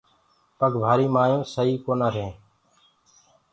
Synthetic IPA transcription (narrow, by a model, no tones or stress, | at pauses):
pəɡʋʱaːɾiːmaːjõːsəɦiːkoːnãːɾẽː